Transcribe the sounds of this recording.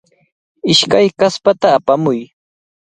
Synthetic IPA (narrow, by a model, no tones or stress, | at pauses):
ɪʃkajkaspat̪aːpamʊj